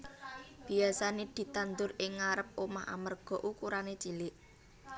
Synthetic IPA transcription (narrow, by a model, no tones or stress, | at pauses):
b̥i̤asaned̪̥i̤t̪and̪ʊɾɪŋːaɾəp̚omaɦa̰mərɡ̥ɔ̤ʔukuɾanet͡ʃilɪʔ